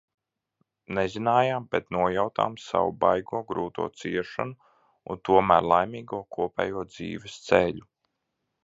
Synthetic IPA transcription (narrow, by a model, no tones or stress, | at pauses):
nɛzinaːjaːmpɛt̪nuɔjawt̪a̰ːmsa̰wṵbajɡuɔːɡɾuːt̪ṵɔt̪siɛɾʃa̰nu | ṵnt̪uɔmæːɾlˠajmiːɡuɔkʰuɔpʲɛ̰ːjuɔd̪zḭːvɛst̪seʎʲu